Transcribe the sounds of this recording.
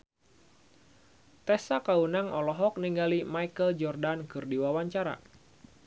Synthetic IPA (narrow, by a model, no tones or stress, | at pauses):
t̪ɛsakaunaŋʔɔlɔɦɔk̚niŋɡalimajkəld͡ʒɔrdankɨrdiwawaɲt͡ʃaɾa̰